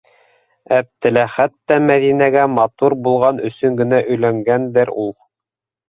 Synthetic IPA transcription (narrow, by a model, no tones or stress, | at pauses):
æp̚t̪ɘ̆læχæt̪ːæmæðinæɡæmɑt̪uɾbulˠʁɑnɵ̆sɵŋɡɘ̆næʔɵ̆jlæŋɡænd̪ɘɾulˠ